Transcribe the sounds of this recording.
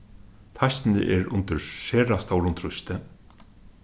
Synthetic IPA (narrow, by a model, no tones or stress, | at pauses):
t̪ʰajst̪ɪnɪ̰ʔɛɾʊ̰nt̪ɪɾʃeːɾast̪awɾʊnt̪ʰɾʊst̪ɪ